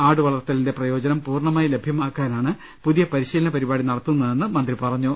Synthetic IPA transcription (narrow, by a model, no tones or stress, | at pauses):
aːɽɨʋɐɭɐrt̪ːɐlinde̞prɐjo̞ːd͡ʑɐnɐmpuːrɳɐmaːjile̞bʱjɐmaːkːaːnaːɳɨ | puðijɐpɐɾiɕiːlɐnɐpɐɾibaːɽinɐɽɐt̪ːunːɐðe̞nːɨmɐnd̪ripɐrɐɲːu